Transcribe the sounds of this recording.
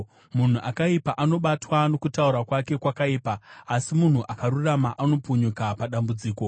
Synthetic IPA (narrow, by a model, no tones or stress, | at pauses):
mun̤uʔakaipaʔano̞ɓatwano̞kutauɾakwake̞kwakaiːpaːsimun̤uʔakaɾuramaʔano̞puɲukapaɗambud͡ziːko̞